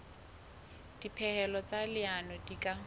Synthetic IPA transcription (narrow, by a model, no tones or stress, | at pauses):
d̥ipʰɛhɛlɔt͡sʼalɪanɔdikʼa